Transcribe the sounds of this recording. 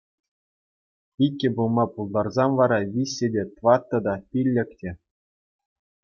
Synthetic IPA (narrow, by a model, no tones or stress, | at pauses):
ikʲːɘ̆bulˠmɑpulˠd̪ɑrzɑmʋɑɾɑvʲisʲːedʲet̪ʋɑt̪ːɤ̆d̪ɑpʲilʲːɘ̆kʲtʲĕ